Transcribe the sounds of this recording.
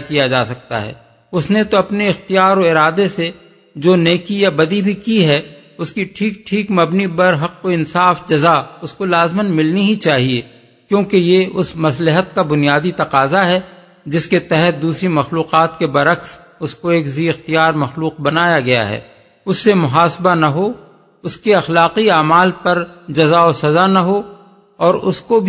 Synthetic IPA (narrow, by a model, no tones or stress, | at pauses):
kijad͡ʒaːsɐk̚t̪a̰ɦɛ̰ː | ʊsnet̪oɐpneɪxt̪ijaːɾoɪɾaːd̪ese | d͡ʒoːneːkijabɐd̪ibʱikiɦɛ | ʊskiʈʰiːk̚ʈʰiːkmɐbnibɐɾɦɐqːoɪ̃nsaːfd͡ʒɐzaʊskolaːzmənmɪlniɦit͡ʃaːɦie | kjõːkejeʊsmɐslɪɦət̪̚kabʊnijaːd̪it̪ɐqaːzaɦɛ | d͡ʒɪsket̪ɛɦɛt̪̚d̪uːsɾimɐxluːqaːt̪̚kebɐɾɐks | ʊskoeːkziːɪxt̪ijaːɾmɐxluːq̚bɐnaːjaɡɐja̰ɦɛ̰ː | ʊsːemʊɦaːsbanɐɦo | ʊskeɐxlaːqiaːmaːlpɐɾd͡ʒɐzaosɐzanɐɦo | ɔːɾʊskobʱ